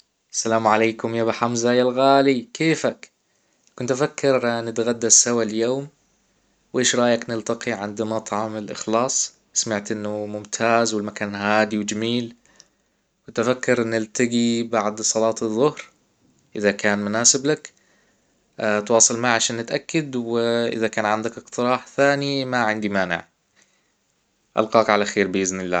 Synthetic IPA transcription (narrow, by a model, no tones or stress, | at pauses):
ʔasːalaːmʕaleːkʊmjaːbɪħamzajalɣaːlikʰeːfak | kʊnt̪ʔafakːɑɾnɪt̪ɣad̪ːasawaljoːm | wʔeːʃɾˤɑːjaknɪlt̪ɑqiʕɪnd̪mɑt̪ˤʕɑmɪlʔɪ̰xlɑːsˤ | samaʕt̪ʔɪnːʊmʊmt̪ʰaːzwɪlmakaːnɦaːd̪iwd͡ʒamiːl | wɪt̪afakːɑɾʔɪnːɪlt̪aɡibaʕd̪sˤɑlɑːt̪ɨðˤːʊhɾ | ʔɪðakaːnmʊnaːsɪblak | t̪wɑːsˤɨlmaʕʕaʃaːnːɪt̪ʔakːad̪wɪʔɪ̰ðakaːnʕand̪akɪkt̪ɨɾˤɑːħθaːnimaʕɪnd̪imaːnɪ̰ʕ | ʔa̰lqɑːkʕalaxeːɾbɪʔɪznɪlːa̰ː